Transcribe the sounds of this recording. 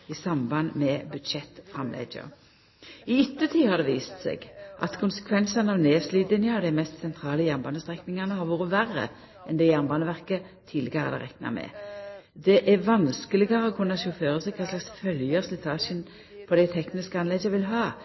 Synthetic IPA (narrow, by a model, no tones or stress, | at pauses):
isɑmbɑnmɛbʉd̪ʃɛt̪ːfʁɑmlʔɛ̰d͡ʒə̰ | ɪʏt̪ːət̪ʰiːhɑʁd̪ɛːʋiːst̪sḛɡʔɑ̰t̪kʰʊnsə̥kʰʋɛnsənɑʋneːsliːd̪lɪnjɑd̪æmɛst̪sɛnt̪ʰʁɑːləjæʁnbɑnəst̪ʁɛknɪŋɑnəhɑɾʋuːʁəʋærə̰ | ʔɛnd̪ɛjæʁmbɑnəʋæʁkə | t̪ʰiːlɪɡɑʁəd̪ɛ̰ʁɛknɑ̰mɛ̰d̪ɛʔæʋɑnskəlɪɡɑʁəoːkʰʉnːɑʃʊføːʁəsɛɡ̚kʰɑslɑksfœljəslɪt̪ʰɑːʃən | pʰɔd̪ɛɪt̪ʰɛknɪskɑnlɛd͡ʒəʋɪlɦɑː